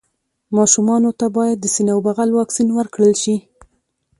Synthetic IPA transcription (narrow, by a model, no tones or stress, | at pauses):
mɑʃumɑnot̪abɑjad̪ːəsinawbaɣalwɑksinwəɾkɽəlʃi